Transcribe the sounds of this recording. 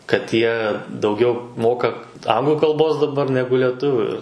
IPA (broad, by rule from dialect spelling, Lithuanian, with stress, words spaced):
kɐt ˈjiɛ dɐʊˈɡʲɛʊ ˈmoːkɐ ˈɐŋɡlˠʊ kɐlˠˈboːs dɐˈbɐr ˈnʲæːɡʊ lʲɛˈtʊʋʲʊ ɪr